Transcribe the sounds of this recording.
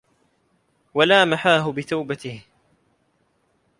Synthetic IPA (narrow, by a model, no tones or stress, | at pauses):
walaːmaħaːɦʊbɪt̪awbat̪ɪh